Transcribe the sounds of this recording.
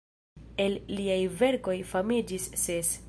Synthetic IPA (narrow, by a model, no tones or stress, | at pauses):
e̞lːiajve̞ɾko̞jfamid͡ʒisːe̞s